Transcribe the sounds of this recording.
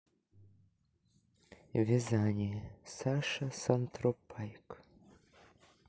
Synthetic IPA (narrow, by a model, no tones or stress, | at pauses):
vʲezanʲesaʃasant̪ropʰːɑjk